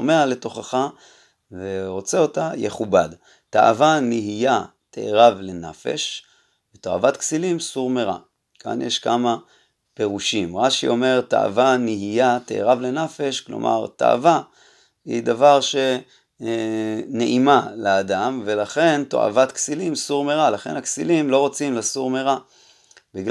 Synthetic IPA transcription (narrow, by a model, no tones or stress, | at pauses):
ome̞ale̞to̞χaχa | veʁo̞t͡seo̞tajeχubad | ta̰ʔavaniɦija | t̪ḛʔeʁavle̞nafe̞̰ʃ | veto̞a̰vat̪ksilimsuʁmeʁa̰ | kʰa̰njʔeʃkama | pe̞ʁuʃimʁaʃiʔo̞me̞ʁta̰ʔa̰vaniɦijat̪eḛʁavle̞nafe̞ʃklo̞̰mʔa̰ʁt̪a̰a̰va | ḭd̪avaʁʃe̞ | neʔimaleːd̪amve̞laχe̞nt̪o̞̰ʔa̰vat̪ksilimsuʁmeʁalaχe̞̰nhaksilimlo̞ʁot͡simlasuʁmeʁa | biɡ